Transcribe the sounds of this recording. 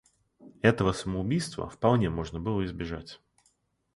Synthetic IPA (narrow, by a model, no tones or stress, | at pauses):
ɛt̪əvəsəməʊbʲijst̪və̰fpɐlˠnʲemo̞ʐnəbɨlˠəɪzbʲɪʐa̰tʲ